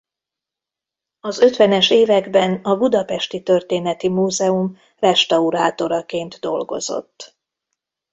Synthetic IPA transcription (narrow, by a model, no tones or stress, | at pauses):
ɒzø̞t̪ʋɛnɛʃeːvɛɡbɛnɒbud̪ɒpɛʃt̪it̪ø̞rt̪eːnɛt̪imuːzɛum | rɛʃt̪ɒuɾaːt̪o̞ɾɒkeːnd̪d̪o̞̰lɡo̞̰zo̞̰t̪ː